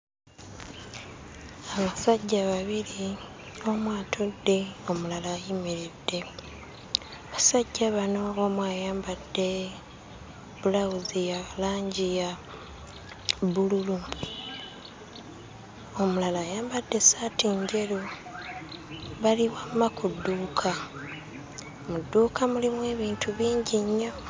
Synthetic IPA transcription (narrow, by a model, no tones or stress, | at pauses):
aβasaɟːaβaβiɾi | o̞mwaːtʰo̞dːe̞omulalaːjimeɾedːe̞ | βasaɟːaβano̞ɣomwaːjaːmbadːe̞ | bulawuzijalaːɲɟija | βululu | omulalaːjaːmbadːe̞saːtiɲɟe̞ɾo | βaliwammakudːuːkʰa | mudːuːkamulimwe̞ːβiːntuβiːɲɟiɲːo